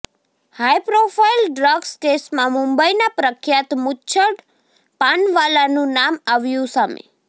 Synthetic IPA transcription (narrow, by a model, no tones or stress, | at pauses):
hajpɾofailɖɾaɡsʈesmãmʊ̃mbəinapɾəkʰjat̪mʊtːt͡ʃʰəɖ | panʋalanũnamaʋjũsamḛ